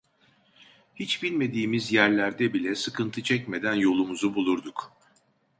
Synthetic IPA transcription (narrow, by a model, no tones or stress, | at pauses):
hit͡ʃbilʲme̞d̪iːmizjæɾlʲæɾd̪ɛbilʲɛsɯkʰɯnt̪ʰɯt͡ʃʰɛcme̞d̪ænjo̞lˠumuzubulˠuɾd̪uk